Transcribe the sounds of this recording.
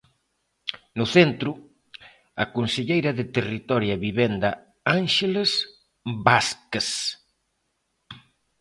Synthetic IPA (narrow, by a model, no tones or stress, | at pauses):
nʊθent̪ɾʊ | ɐkonseʎejɾɐðɪt̪erit̪ɔɾjɐβiβend̪ɐ | anʃeles | baskes